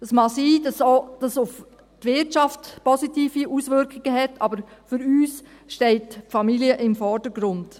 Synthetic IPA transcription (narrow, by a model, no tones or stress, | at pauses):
dəsmɑsiːdɑsod̥ɑsʊf | tʋɪtt͡ʃɑftpɔsitiːfiʔusʋʏɾkχɪɡ̥əɦɛtɑbəɾfʏɾyːs | ʃtɛɪtfɑmiliəʔɪmfɔɾd̥əɾɡɾʊnd̥